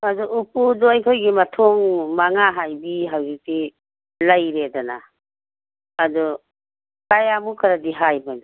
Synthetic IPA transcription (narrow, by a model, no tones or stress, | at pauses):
ɐdɔʔupudɔajkʰojɡimɐtʰoŋmaŋaɦajbiɦawzik̚ti | lajɾedana | dɔ | kajamukʰaɾadiɦajban